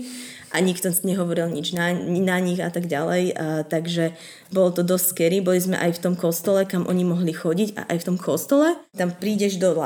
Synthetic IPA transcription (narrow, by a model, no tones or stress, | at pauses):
ʔaɲikt̪ɔɲɛɦɔʋɔɾilɲid͡ʒnanaɲiɣat̪aɡɟalɛjt̪aɡʒɛ | bɔlɔt̪ɔd̪ɔsʲskɛɾibɔlizmɛ̰ʔajft̪ɔmkɔst̪ɔlɛkamʔɔɲimɔɦlixɔɟiɟa̰ʔajft̪ɔmkʰɔst̪ɔlɛt̪ampɾiːɟɛʒd̪ɔla